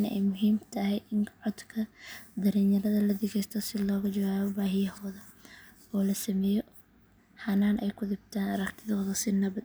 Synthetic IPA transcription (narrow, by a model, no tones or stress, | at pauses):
nɛjmʊɦiːmt̪ʰɐɦɛjʔɪŋkʰʕɔd̪kʰɐd̪ɐɾɛːnjɐɾɐðɐlɐd̪ɪɣɛjst̪ʰɔsɪlɔːɣɐt͡ʃɐwaːβɔbaːɦɪjɐhɔːðɐ | ɔːlɐsɐmɛːjɔ | ħɑnaːnʔɛjkʰʊd̪ɪbt̪ʰaːnɐɾɐkt̪ʰɪðɔːðɐsɪnɐβɐd̪